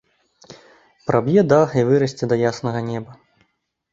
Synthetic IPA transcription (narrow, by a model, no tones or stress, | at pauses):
pɾʔabjɛd̪axivɨɾɐsʲt͡sʲɛd̪ɐjasnɐɣɐnʲɛbɐ